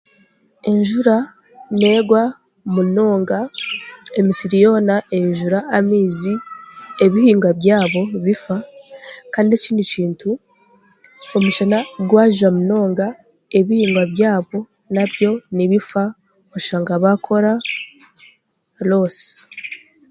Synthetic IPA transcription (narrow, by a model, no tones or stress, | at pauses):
e̞ɲʒuɾa | ne̞ːɡwa | muno̞ːŋɡa | emisiɾijo̞ːnaʔe̞ɲʒuɾaːmiːzie̞βihiːŋɡwaβjaːβo̞βifa | kaːndieciːndiciːntu | omuʃanaɡwaːʒuamuno̞ːŋɡa | e̞βihiːŋɡwaβjaːβo̞ | naβjo̞niβifa | aʃaːŋɡaβakʰo̞ɾa | lo̞ːsi̥